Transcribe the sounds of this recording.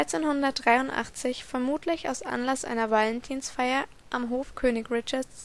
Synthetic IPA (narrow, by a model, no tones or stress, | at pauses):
aɪt͡seːnhʊndɐt̚d̥ʁaɪʊntʔa̰χt͡sɪçfɛɐmuːtʰlɪça̰ʊsʔa̰nlasʔa̰ɪnɐvalɛntʰiːnsfaɪɐ | ʔamɦoːfkʰøːnɪkʁɪt͡ʃɐ